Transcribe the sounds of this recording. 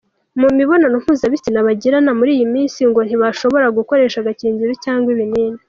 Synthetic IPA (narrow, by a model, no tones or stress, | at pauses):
mumiβo̞nanom̥uzaβitinaβaɟiɾanamuɾiːjimiːnsiŋɡo̞n̥iβaʃo̞βo̞ɾaɡuko̞ɾe̞ːʃaɡaciːnzuɾocaːŋɡwiβiniːne